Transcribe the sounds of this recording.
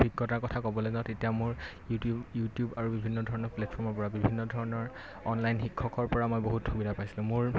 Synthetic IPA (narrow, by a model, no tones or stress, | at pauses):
bʱiɡːɔtaɹkɔtʰakɔbɔlɛzatetijamʊɹjutubjutjubaɹubibʱinːɔdʱɔɹɔnɔɹplɛtpʰɔɹmɔɹpɔɹabibʱinːɔdʱɔɹɔnɔɹ | ɔnlajnxikʰːɔkɔɹpɔɹamɔjboɦutxubidʱapajsilʊ̃mʊɹ